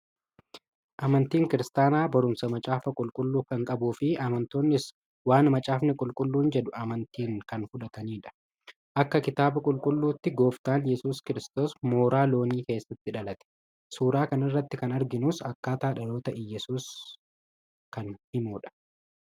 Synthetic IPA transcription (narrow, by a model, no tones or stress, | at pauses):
ʔɐmɐnt̪iːŋkɪɾɪst̪aːnaːbɐɾʊmsɐmɐt͡ʃʼaːfɐkʼʊlkʼʊlːuːkɐŋkʼɐbuːfɪɐmɐnt̪oːnːɪs | waːnmɐt͡ʃʼaːfnɪkʼʊlkʼʊlːuːnd͡ʒɛdʊɐmɐnt̪iːŋkɐnfʊᶑɐt̪ɐniːᶑɐ̥ | ʔɐkːɐkɪt̪aːbɐkʼʊlkʼʊlːuːt̪ːɪɡo̞ːft̪aːnjɛsuːskɪɾɪst̪o̞ːsmo̞ːɾaːlo̞ːniːke̞ːsːɐt̪ːɪᶑɐlɐt̪ɛ̥ | suːɾaːkɐnɪrːɐt̪ːɪkɐnɐɾɡɪnuːsɐkːaːt̪aːᶑɐlo̞ːt̪ɐʔɪjɛsuːs | kɐnhɪmoːᶑɐ̥